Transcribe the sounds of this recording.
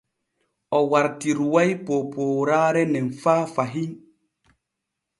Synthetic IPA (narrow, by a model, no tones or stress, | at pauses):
ɔwaɾtiɾwajpopoːɾaːɾɛnɛnfaːfaɦin